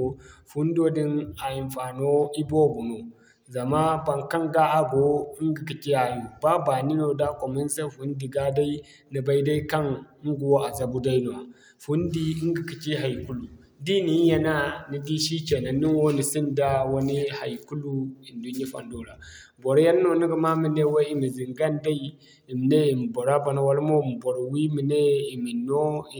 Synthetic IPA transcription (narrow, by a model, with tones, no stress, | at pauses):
fu˦n˦do˦di˦na˨ji˨mfa˨no˦i˦bo˦bu˨no˨ | za˨ma˦ba˨ŋka˦ŋɡa˦a˦ɡo˨˦i˦ŋɡi˨ki˨t͡ʃi˦ha˨ju˨ba˦ba˨ni˦no˨da˦kʷo˨mi˦n˦sa˦fu˨˦n˦di˨ɡa˦da˦i˦ | ni˨ba˦i˦da˦i˦ka˦n˦ɡo˨wo˦a˨za˦˨bu˦da˦i˦no˨a˨ | fu˨˦n˦di˦i˦ŋ˦ɡi˨ki˨t͡ʃi˦ɦa˨jku˦lu˨ | di˦ni˨˦ja˨na˦ni˨di˦ʃi˦t͡ʃe˨na˨ni˦n˦wo˦ni˨si˦nda˦wa˦ni˦ha˨ji˨ku˦lu˦i˨ndu˦n˦a˦fa̰˨ndo˨ɾa˨ | bo˨ɾa˦ja˦n˦no˨ni˦ɡi˨ma˦mi˨ne˦we˦i˨mi˨zi˨ŋɡa˦nda˦i˦ | i˨m˨ne˦i˨m˨bo˨ɾa˦ba˨na˨wa˨lmo˦˨m˨bo˨ɾo˨wi˦mi˨ne˦i˨mi˨nːo˦˨